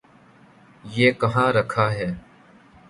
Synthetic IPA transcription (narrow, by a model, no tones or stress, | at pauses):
jeːkəɦãːɾəkʰaːɦɛː